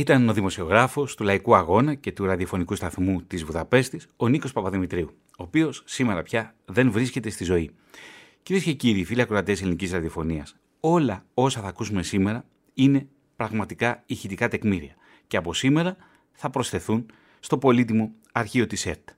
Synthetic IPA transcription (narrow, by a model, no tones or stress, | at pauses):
it̪ɐno̞ðimo̞sio̞ɣɾɐfo̞st̪ulɐikuɐɣo̞nɐce̞t̪uɾɐðio̞fo̞nikust̪ɐθmut̪izvuðɐpe̞st̪iso̞niko̞spɐpɐðimit̪ɾiu | oːpio̞sːime̞ɾɐ̰pçɐ | ðe̞nvɾisce̞t̪e̞st̪izo̞i | ciɾie̞sce̞ciɾiːfiliɐkɾoɐt̪eeselinicizɾɐðio̞fo̞niɐs | o̞lɐo̞sɐθɐːkusume̞sime̞ɾɐ | ine̞ | pɾɐɣmɐt̪ikɐiçit̪ikɐt̪e̞kmiɾiɐ | ce̞ɐpo̞sime̞ɾɐ | θɐpɾo̞sθe̞θun | st̪o̞po̞lit̪imo̞ | ɐɾçio̞t̪ise̞ɾt̪